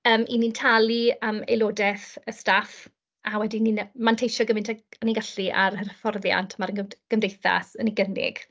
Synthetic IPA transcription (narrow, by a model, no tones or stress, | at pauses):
əːmʔḭnintʰaliəːmḛjloːdɛθəstaf | awɛdininmantʰejʃɔɡəmɪntʰaaniɡaɬiʔa̰ɾərfɔrðja̰ntʰəmaɾəɡəɡ̥əmdejθa̰səniɡənɪ̰ɡ̥